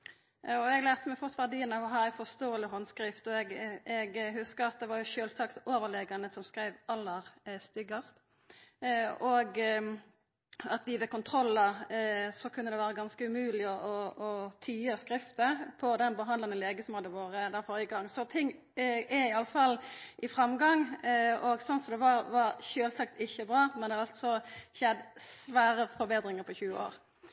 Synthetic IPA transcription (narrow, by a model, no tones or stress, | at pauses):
ɔɛɡlæːʁt̪əmɛfɔt̪ʰʋæʁɖ̪iːənɑʋɔɦɑːæɪfɔst̪oːəlɪɦɔnːskɾɪft̪ɔɛɡɛɡhʉskəɾɑt̪̚d̪ɛʋɑɾjʊʃøːlsɑkt̪oːʋəʁleːɡɑnəsɔmskɾæɪʋɑlːəʁst̪ʏɡəst̪ | ɔɡ | ɑt̪ʋɪʋɛkʊnt̪ʰɾɔlːəsɔkʰʉnːəd̪ɛʋæːɾəɡɑnskəʉmʉːlɪɔʔɔɔt̪ʰyːəskɾɪft̪əpʰɔd̪ɛnbəɦɑnd̪lɑnəleːɡəsɔmhɑd̪ːəʋoːɾəd̪æːɾfoːɾjəɡɑŋːsɔt̪ʰɪŋ | ɛɪɑlːəfɑlːʔɪfɾɑmɡɑŋɔɡsɔnsɔmd̪ɛʋɑɾʋɑɾçøːlsɑkt̪ɪçəbɾɑːmɛnd̪ɛhɑɾɑlt̪sɔçɛd̪sʋæːɾəfɔɾbeːd̪ɾɪŋəɾpʰɔçʉːəo̰ːɾ